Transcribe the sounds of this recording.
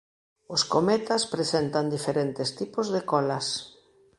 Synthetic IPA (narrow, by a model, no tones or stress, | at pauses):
oskomet̪aspɾesent̪and̪ifeɾɛnt̪ɪst̪ipʊzðekɔlas